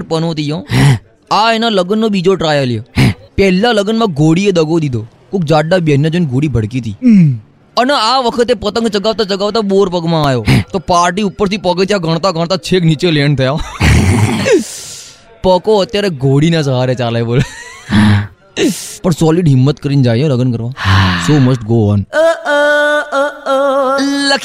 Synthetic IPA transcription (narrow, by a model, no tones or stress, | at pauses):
pənot̪ijõː | aenaləɡənːoɓiːd͡ʒoʈɾaːjəljepɛɦlːaləɡənmãɡʱoːɽied̪əɡʱod̪id̪ʱoː | kuk̚d͡ʒaːɖːaɓjenjãd͡ʒonɡʱoːɽiːbʱəɽkiːt̪ʰiː | ənaaʋəkʰət̪epət̪ə̃ŋɡt͡ʃəɡaːʋt̪at͡ʃəɡaːʋt̪aɓoːɾpəɡmãːjoːt̪oːpaːɾʈ̬iːupːəɾt̪ʰipəkət̪jaɡʱəɳ̃t̪aɡəɽ̃t̪at͡ʃʰeːkniːt͡ʃelent̪ʰəja | pəkoət̪jaːɾeɡʱoːɽiːnãs̬əɦaːɾjet͡ʃaːlaeboːl | pəɳsɔːlɪɖɦɪmːət̪kəɾiːnd͡ʒaːjoləɡənkəɾʋaːsoːməsʈɡoːɔːn | lək